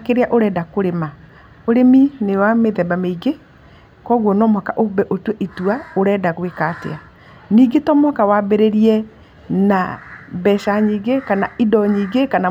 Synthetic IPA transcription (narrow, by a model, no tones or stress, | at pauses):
keɾeaʔoɾɛdakoɾema | oɾeminewameðɛbameiɡe | kɔɣwɔnɔmakaʔobɛʔotwɛʔituaoɾɛdaɣwekatḛa | niːɡetɔmɔkawabeɾeɾiɛ | na̰bɛʃaɲiːɡekanaidɔɲiːɡekana